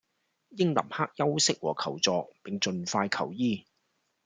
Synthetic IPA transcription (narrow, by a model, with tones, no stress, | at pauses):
jɪ˥ŋlɐ̰˨˩mhaː˥k̚jɐ˥wsɪ˥k̚wɔ̰ː˨˩kʰɐ˨˩wt͡sɔː˨˧k̚pɪ˨ŋt͡ʃɵ˨nfaː˧jkʰɐ˨˩wjiː˥